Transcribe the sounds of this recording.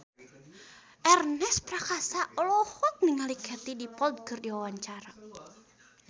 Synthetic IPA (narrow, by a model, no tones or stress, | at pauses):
ʔɛrnɛspɾakasaʔɔlɔhɔt̚niŋalikʰɛt̪idipɔld̚kɨrdiwawaɲt͡ʃaɾa